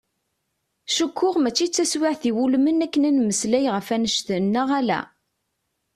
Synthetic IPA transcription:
ʃəkːʊʁmæt͡ʃːit͡sːæswɪʕθiwulmənækːənænməslæjʁəfænəʃt̪ənːəʁælæ̰

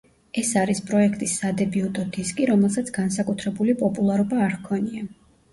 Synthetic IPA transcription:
ɛsaɾispʼɾɔɛkʰt̪ʼisːad̪ɛbiut̪ʼɔd̪iskʼiɾɔmɛlˠsat̪sʰɡansakʼut̪ʰɾɛbulipʼɔpʼulˠaɾɔbaːɾkʰɔnia

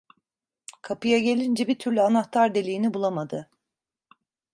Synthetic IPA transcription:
kʰapɯjaɟe̞lʲind͡ʒɛbiɾt̪ʰyɾlʲyanaht̪ʰaɾd̪elʲijinibulˠamad̪ɯ

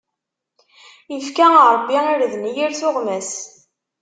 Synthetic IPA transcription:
ifkæɾˤəbːiiɾðnjiɾθʊʁmæs

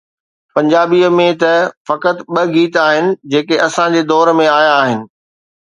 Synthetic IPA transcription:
pɐ̃ɲd͡ʑaːbiəmẽt̪ɐfɐkət̪ɓɐɡiːt̪aːɦɪnɪ̆d͡ʑeːkeʔɐsãd͡ʑeːd̪ɔːɾmẽaːjaːɦɪnɪ̆

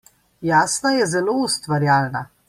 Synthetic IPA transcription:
jaːsnajɛzɛloːust̪ʋaɾjaːlna

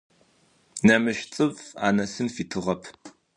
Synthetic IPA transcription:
nɐmɨʃt͡sʼɨva̰ːnɐsɨnfiːtʰɨʁɐpʰ

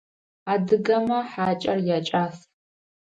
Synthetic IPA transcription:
adɨɡɐmɐħaːt͡ʃʼɐrjat͡ʃʼaːs

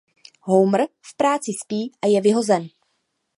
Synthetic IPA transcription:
ɦowmr̩fpɾaːt͡sɪspiːʔajɛvɪɦo̞zɛn

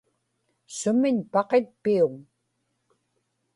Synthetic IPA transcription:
sʊmɪɲpɑqet̪̚piʊŋ

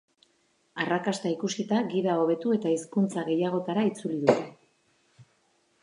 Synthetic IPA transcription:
arakast̪aikusit̪aɣiðao̞β̞e̞t̪ue̞t̪aiskunt͡saɣe̞jaɣ̞o̞t̪aɾait͡suliðut̪e

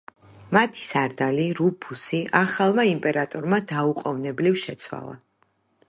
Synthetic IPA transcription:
mat̪ʰi̥saɾd̪aliɾupʰusiaχalˠmaimpʼɛɾat̪ʼɔɾmad̪auqʼɔvnɛblifʃɛt̪sʰwa̰lˠa̰

